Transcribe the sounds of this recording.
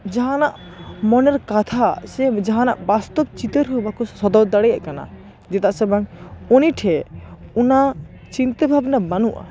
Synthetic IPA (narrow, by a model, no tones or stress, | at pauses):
d͡ʒaɦãnaʔ | mɔnɛɾkat̪ʰasɛd͡ʒaɦãnaʔbast̪ɔb̚t͡ʃit̪əɾɦubakɔsɔd̪ɔwd̪aɽɛja̰ʔkana̰ | d͡ʒɛt̪aʔsɛbaŋɔniʈʰɛuna | t͡ʃint̪əbʱabnabanuʔa̰